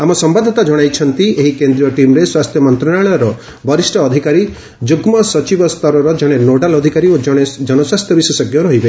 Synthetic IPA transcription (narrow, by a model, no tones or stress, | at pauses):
amɔsɔmbad̪ʱɔt̪ad͡ʒɔɽ̃ajt͡ʃʰɔnt̪ieɦikend̪ɾijɔʈimɾeswast̪ʰjɔmɔnt̪ɾaɭaɭɔjɔɾɔ | bʱɔɾisʈʰɔːd̪ʱikaɾi | d͡ʒuɡmɔsɔt͡ʃibɔst̪ʰɔɾɔɾɔd͡ʒɔɽ̃enoɖalɔd̪ʱikaɾiod͡ʒɔɽ̃ed͡ʒɔnɔswast̪ʰjɔbiswesɔɡjɔɾɔɦibe